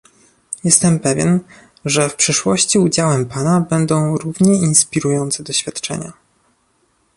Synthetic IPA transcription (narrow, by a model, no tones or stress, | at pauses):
jɛst̪ɛmpɛvʲjɛ̰n | ʐɛfpʂɘʂwɔɕt͡ɕiud͡ʑawɛmpanabɛnd̪ɔ̃w̃ɾuvɲɛinspʲiɾujɔnt̪sɛd̪ɔɕfʲjat̪t͡ʂɛ̰ɲa̰